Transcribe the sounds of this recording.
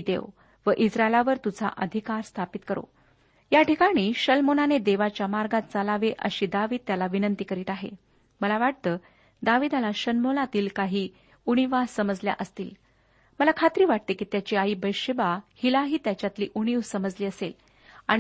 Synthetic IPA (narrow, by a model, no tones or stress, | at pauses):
d̪ḛʋ | ʋəʔisɾaelaʋəɾt̪ud͡zʱa̰ʔəd̪ʱikaɾst̪ʰapit̪kəɾo̰ | jaʈikaɽ̃iːɕəlmonaned̪eʋat͡ɕjamaɾɡat̪̚t͡salaʋeʔə̰ɕiːd̪aʋiːd̪̚t̪jalaʋinənt̪iːkəɾiːt̪aɦḛ | məlaʋaʈ̚t̪əː | d̪aʋiːd̪alaɕənmolat̪iːlkaɦiː | uɽ̃iʋassəməd͡zlja̰ʔəst̪ḭːl | məlakʰat̪ɾiːʋaʈ̚t̪ekiːt̪jat͡ɕiaiːbəjɕebahilaɦiːt̪jat͡ɕjat̪liːʔuɽ̃iʋsəməd͡zliːəsel | aɽ̃